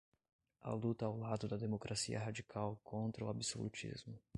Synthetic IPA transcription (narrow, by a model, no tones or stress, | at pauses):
ɐ̰lut̪ɐawlad̪ʊd̪ɐd̪emokɾʔasiɐɦad͡ʒikʰawkʰõnt̪ɾɐuabiso̰lut͡ʃḭzmʊ